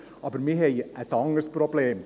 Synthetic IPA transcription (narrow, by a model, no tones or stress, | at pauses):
ɑːbəɾmiɦejəsɔŋəɾspɾɔbleːm